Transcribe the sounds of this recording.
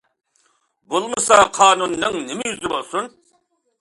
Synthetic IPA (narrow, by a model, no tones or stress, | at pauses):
bolˠmɨsɑqʰɑːnunːɨŋnɪmɪjyzɪbolˠsun